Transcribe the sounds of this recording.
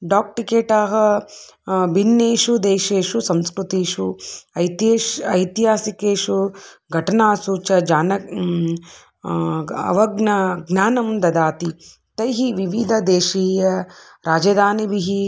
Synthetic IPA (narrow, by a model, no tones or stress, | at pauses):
ɖaːk̚ʈikeːʈaːɦɐ̆ | binːeːʃud̪eːʃeːʂusɐmskɾut̪iːʃuɐjt̪ːɐjt̪ɦaːsikeːʂuɡʱɐʈɐnaːsuːt͡ʃɐd͡ʒaːnɐ | ɐ̰ʋɐɡnɐɡnaːnɐmd̪ɐd̪aːt̪i | t̪ɐjɦiʋiʋid̪ʱɐd̪eːʃiːjɐ | ɾaːd͡ʒɐd̪ʱaːnibiɦi